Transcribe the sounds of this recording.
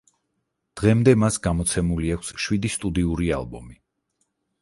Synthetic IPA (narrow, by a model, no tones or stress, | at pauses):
d̪̥ʁɛmd̪ɛmasɡamɔt̪sʰɛmuliakʰsʃwid̪ist̪ʼud̪iuɾia̰lˠbɔmi